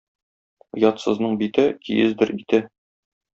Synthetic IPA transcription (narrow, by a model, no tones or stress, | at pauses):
jɒt̪sɤ̆znɤɴbit̪ɘkḭjɘ̰zd̪ɘɾit̪ɘ